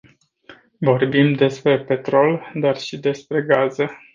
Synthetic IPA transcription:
vo̞rbimd̪e̞spɾe̞pe̞t̪ɾo̞ld̪arʃid̪e̞spɾe̞ɡazə

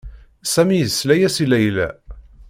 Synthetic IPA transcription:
sæmijðəslæjæsilæjlæ̰

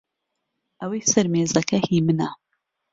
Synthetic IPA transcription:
ʔɐweːsɐɾmeːzɐkʰɐhiːmɨnɐ

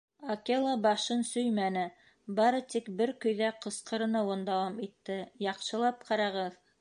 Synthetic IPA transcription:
okelˠɑbɑʃɤnsɵjmænɘ | bɑɾɤt̪ikbɘɾkɵ̆jðæqɤ̆sqɤ̆ɾɤ̆nɑwɤnd̪ɑwɑmit̪ːɘjɑqʃɤ̆lˠɑp̚qʰɑɾɑʁɤð

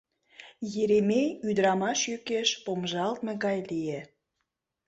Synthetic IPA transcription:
jeɾemeyd̪ɾɑmɑʃjykeʃpomʒɑlt̪mĕɣɑjlije

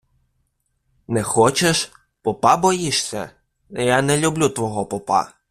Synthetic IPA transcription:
nɛxɔt͡ʃeʃ | pɔpɑbɔjiʃsʲɐ̰ | janɛlʲʊblʲut̪ʋɔɦɔpɔpɑ̰

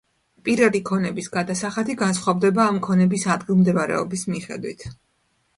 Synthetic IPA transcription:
pʼiɾvad̪ikʰɔnɛbisɡad̪asaχat̪ʰiɡansχwavd̪ɛbaːmkʰɔnɛbisad̪ɡilˠmd̪ɛvaɾɛ̰ɔ̰bismiχɛ̰d̪wit̪ʰ

